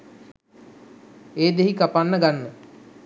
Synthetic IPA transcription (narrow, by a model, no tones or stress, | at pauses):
eːd̪eɦikapanːəɡanːə